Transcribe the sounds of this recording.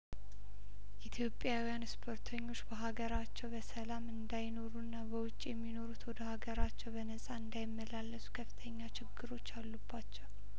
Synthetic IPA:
ʔit̪ʰjo̞pʼːjawijanspʰo̞ɾt̪ʰəɲːo̞t͡ʃːbəɦaɡəɾat͡ʃːɛwbəsəlamɨnd̪ajno̞ɾunːabəwʊt͡ʃʼːjɛmːino̞ɾut̪wɔd̪əhaɡəɾat͡ʃːɛwbənəsʼaɨnd̪ajɪmːəlalːəsʼu̥kʰəfːɨ̥t̪ʰəɲːat͡ʃɪɡːɨɾo̞t͡ʃːalːubːat͡ʃːɛw

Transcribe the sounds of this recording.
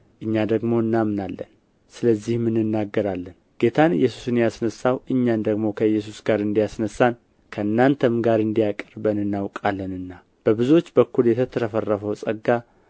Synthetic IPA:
ʔɨɲːad̪əɡmo̞ɨnːamnalːə̰n | sɨləzːihmɨnːɨnːaɡːəɾalːən | ɡ̥e̞t̪ʰanɨ̰jːɛsu̥sɨnjasnəsːawɨɲːand̪əɡmo̞kʰəɨjːɛs̬usɡaɾɨnd̪ijasnəsːan | kʰəɨnːant̪ʰəmɡaɾɨnd̪ijakʼəɾbənɨnːawkʼalːənɨnːa | b̥əbɨzuo̞t͡ʃːbəkːuljɛt̪ʰət̪ʰəɾəfərːəfəwsʼəɡa

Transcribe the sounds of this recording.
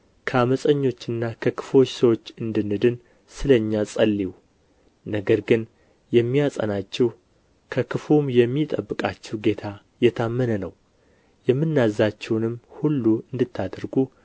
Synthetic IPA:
kʰəaməsʼəɲːo̞t͡ʃːɨnːakʰəkʰɨ̥fo̞t͡ʃːsəwo̞t͡ʃːɨnd̪ɨnːɨd̪ɨn | sɨləɲːasʼəlːiw | nəɡəɾɡɨn | jɛmːijasʼə̰nat͡ʃːɛw | kʰəkʰɨfumjɛmːit̪ʼəbːɨkʼat͡ʃːɛwɡe̞t̪ʰa | jɛt̪ʰamːənənəw | jɛmːɨnːazat͡ʃːɛwnɨmhulːuɨnd̪ɨt̪ʰːad̪ɾɡu

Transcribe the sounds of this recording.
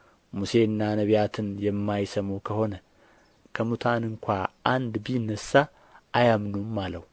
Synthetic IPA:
muse̞ɨnːanəβjat̪ʰɨnjɛmːajsəmukʰəho̞nə | kʰəmut̪ʰanɨŋkʷaʔand̪bijnːəsːa | ajamnumːaləw

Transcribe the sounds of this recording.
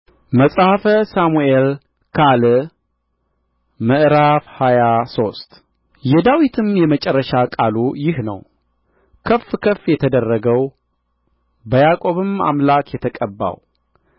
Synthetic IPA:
məsʼhafəsamuel | kʰal | məʔɾafhajaso̞st̪ | jɛd̪awit̪ʰɨmjɛmət͡ʃʼɛrːəʃakʼalujɪhnə̰w | kʰəfːkʰəfjɛt̪ʰəd̪ərːəɡəw | bəjakʼo̞βɨma̰mlakjɛt̪ʰəkʼəbːa̰w

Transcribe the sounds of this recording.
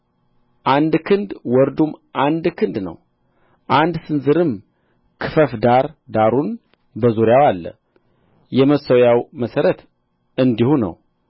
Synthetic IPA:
ʔand̪kʰɨnd̪wɔɾd̪umʔand̪kʰɨnd̪nə̰w | ʔand̪sɨnzɨɾɨm | kʰɨfəfd̪aɾd̪aɾun | bəzuɾjawalːə̰ | jɛməsəwjawməsəɾət̪ | ɨnd̪ihunə̰w

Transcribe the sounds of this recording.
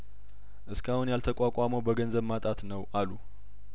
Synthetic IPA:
ʔɨskʰahunjalt̪ʰəkʷʼakʼaməwbəɡənzəβmat̪ʼat̪nəwʔalu

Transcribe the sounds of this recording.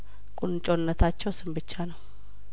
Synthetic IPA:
kʼunt͡ʃʼonːət̪ʰat͡ʃːɛwsɨmbɨt͡ʃːanəw

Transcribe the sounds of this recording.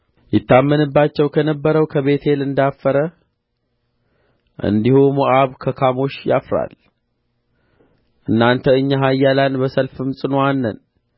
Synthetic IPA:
jɪt̪ːamːənɨbːat͡ʃːɛwkʰənəbːəɾəwkʰəβe̞t̪ʰe̞lɨnd̪afːəɾə | ʔɨ̰nd̪ihumoʔaβkʰəkʰamo̞ʃja̰fɾa̰l | ʔɨnːant̪ʰəɨɲːaɦajːalanbəsəlfɨmsʼɨnoanːə̰n

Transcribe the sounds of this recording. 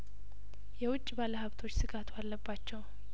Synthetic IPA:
jɛwʊt͡ʃʼːbaləhəβt̪ʰo̞t͡ʃːsɨɡat̪ʰalːəbːat͡ʃːɛw

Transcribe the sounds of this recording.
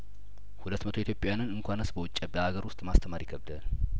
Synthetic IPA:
hulət̪ːmət̪ʰoit̪ʰʲjo̞pʼːejanɨnɨŋkʷanəsbəwʊt͡ʃʼːəbəhaɡəɾwʊst̪ʼmast̪ʰəmaɾjɪkʰəbd̪al

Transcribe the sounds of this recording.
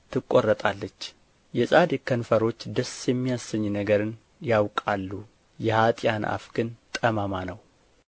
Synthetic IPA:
t̪ʰɨkʼːorːət̪ʼalːət͡ʃː | jɛsʼad̪ikʰːənfəɾo̞t͡ʃːd̪əsjɛmːijasɨɲːnəɡəɾɨn | jawkʼalːu | jɛhat̪ʼjanʔa̰fɡɨnt̪ʼəmamanəw

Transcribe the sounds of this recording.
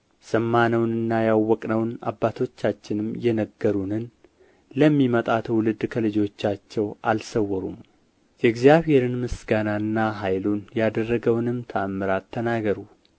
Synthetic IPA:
səmːanəwnɨnːajawːɔkʼnəwna̰bːat̪ʰo̞t͡ʃːat͡ʃːɪnɨmjɛnəɡːəɾunɨn | ləmːimət̪ʼat̪ʰwlɨd̪kʰəlɨd͡ʒo̞t͡ʃːat͡ʃːɛwʔalsəwːɔɾṵm | jɛɡzjaβhe̞ɾɨnmɨsɡananːaɦajlunjad̪ərːəɡəwnɨmt̪ʰamːɨɾat̪ʰːənaɡəɾu

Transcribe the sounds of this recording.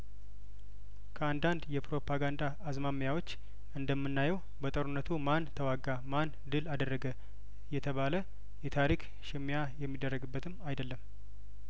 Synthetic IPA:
kʰəand̪and̪jɛpɾo̞pʰaɡand̪aːzmamjawo̞t͡ʃː | ɨnd̪əmːɨnːajɛw | bət̪ʼəɾunːət̪ʰumant̪ʰəwaɡːaman | d̪ɨlad̪ərːəɡə | jɛt̪ʰəβalə | jɛt̪ʰaɾik | ʃɪmːjajɛmːid̪ːərːəɡɨbːət̪ʰɨmːajd̪əlːəm

